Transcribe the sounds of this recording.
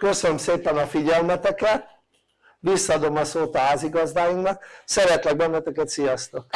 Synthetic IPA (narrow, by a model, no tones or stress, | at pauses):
kø̞sønømseːpɛnɒfiɟɛlmɛt̪ɛkɛt̪̚ | ʋisːɒːd̪o̞mɒsoːt̪ɒɦaːziɡɒzd̪aːjuŋnɒk̚sɛɾɛt̪lɛɡ̚bɛnːɛt̪ɛkɛt̪sijɒst̪ok